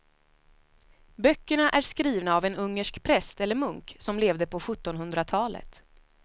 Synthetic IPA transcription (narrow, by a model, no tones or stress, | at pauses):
bœkːəɳaʔæʂkɾiːvnaːvɛnɵŋːəʂkpʰɾɛst̪ɛlːəɾmɵŋksɔmleːvd̪əpʰɔɧɵt̪ːɔnɦɵnd̪ɾat̪ʰɑːlə̰t̪